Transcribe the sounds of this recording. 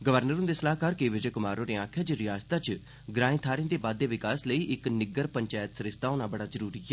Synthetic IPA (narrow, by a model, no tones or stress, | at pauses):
ɡəʋəɾnəɾɦʊ̃nd̪eːsəlaːkaːɾkeːʋɪd͡ʒeːkʊmaːɾõːɾeːãːkʰjaːd͡ʒɾɪjaːzt̪aːt͡ʃ | ɡɾãːĩːt̪ʰaːɾẽːd̪eːbaːd̪ːeːʋɪkaːsləiːʔɪknɪɡəɾpəɲt͡ʃaːjət̪səɾɪst̪aːoːnaːbəɽaːzəɾuːɾiːɛː